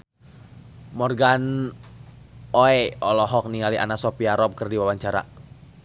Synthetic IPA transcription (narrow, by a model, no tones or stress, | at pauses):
mɔrɡan | oɛɔlɔɦɔk̚niŋaliʔanasɔpiaɾɔp̚kərdiwawaɲt͡ʃaɾa̰